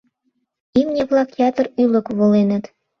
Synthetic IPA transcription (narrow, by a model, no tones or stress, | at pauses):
imnʲĕβlɑkjɑt̪ə̆rylɤ̆kβolenə̆t̪